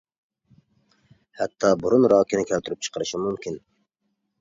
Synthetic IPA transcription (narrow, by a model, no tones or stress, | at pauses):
hɛt̪ʰːɑːbuɾunɾɑːkʰʲinɪkʲʰælt̪ʰyɾyp̚t͡ʃʰə̥qʰəɾɨʃimumkʲin